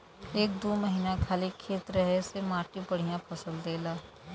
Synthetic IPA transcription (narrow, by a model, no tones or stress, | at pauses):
eːk̚d̪oːməɦiːnakʰaːlikʰeːt̪ɾəɦesemãːʈĩpɐɽ̤ijãpʰɐsəld̪eːlaː